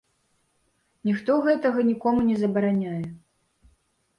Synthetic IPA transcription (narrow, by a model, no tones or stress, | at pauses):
nʲixt̪ɔɣɛt̪ɐɣɐnʲikɔmunʲɛzɐbɐɾanʲajɛ